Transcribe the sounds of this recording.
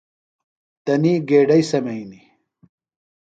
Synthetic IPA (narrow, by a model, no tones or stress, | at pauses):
t̪ɐniːɡeːɖɐjsɐmɐini